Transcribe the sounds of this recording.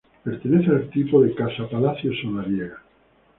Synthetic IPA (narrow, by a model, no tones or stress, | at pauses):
peɾt̪eneθealt̪ipoðekasapalaθjosonaβjeɣa